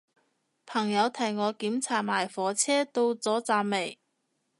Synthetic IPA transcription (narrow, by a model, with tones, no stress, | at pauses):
pʰɐ˨˩ŋjɐ˨˧wt̪ʰɐ˨˩jŋɔː˨˧kiː˨˥mt͡sʰaː˨t̚maː˨˩jfɔː˨t͡sʰɛː˥t̪o˧wt͡sɔː˨˥t͡saː˧mme˨˩j